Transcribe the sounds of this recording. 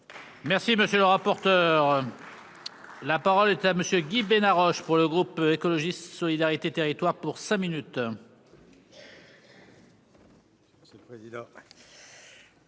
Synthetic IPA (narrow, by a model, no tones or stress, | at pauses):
mɛʁsiməsjøləʁapɔʁt̪œːʁ | lapaʁɔlɛt̪aməsjøɡʲibenaʁɔʃpuʁləɡʁupekɔlɔʒist̪sɔlid̪aʁit̪et̪eʁit̪waʁpuʁsɛ̃minyt̪ | əsəlpχezid̪ɑ̃